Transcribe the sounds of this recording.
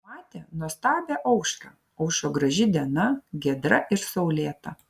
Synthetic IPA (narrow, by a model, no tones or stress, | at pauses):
mɑːt̪ʲɛːnuɔst̪ɑːbʲeːʔɐʊʃkɑ | ɐʊʃoːɡɾɐʒʲɪd̪ʲiɛnɐɡʲɛd̪ɾɐʔɪɾsɐʊlʲeːt̪ɐ